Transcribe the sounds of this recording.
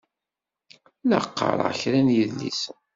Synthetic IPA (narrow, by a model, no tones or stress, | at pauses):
ləqːə̰ɾˤʁə̰çɾænjəðlḭs